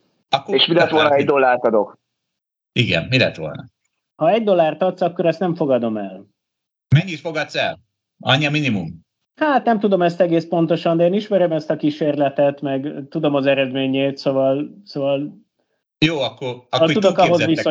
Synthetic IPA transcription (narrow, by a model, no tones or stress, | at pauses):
ɒkːoeːʃmilɛt̪ʋo̞lnɒɛɟd̪o̞lːaːrt̪ɒd̪o̞k | iɡɛ̰nmilɛ̰t̪ʋo̞̰lnɒ̰ | hɒɛɟd̪o̞lːaːrt̪ɒt̪sɒkːo̞ɾɛst̪nɛɱfo̞ɡɒd̪o̞mɛl | mɛɲːit̪fo̞ɡɒt̪sɛ̰l | ɒ̰ɲːiɒminimum | haːt̪nɛmt̪ud̪o̞mɛst̪ɛɡeːspo̞nt̪o̞ʃɒnd̪ɛeːniʃmɛɾømɛst̪ɒkiʃeːrlɛt̪ɛt̪mɛɡt̪ud̪o̞mɒzɛɾɛd̪meːɲeːt̪sovɒlsoːvɒl | joːɒkːorkloudd̪okɒɦozviso